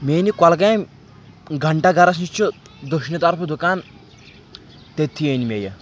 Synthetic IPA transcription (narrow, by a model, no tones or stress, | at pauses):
meːnikɐlɡajm | ɡʱɐɳʈaɡɐɾɐs̬nit͡ʃʰu | d̪uʃnʲɐt̪ɐɾpʰɐd̪ukaːn | t̪et̪ʰːienimejɐ̰